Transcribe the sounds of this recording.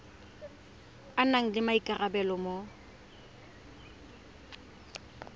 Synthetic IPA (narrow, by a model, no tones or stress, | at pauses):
anaŋ̩lɪmaikʼarabɛlɔmo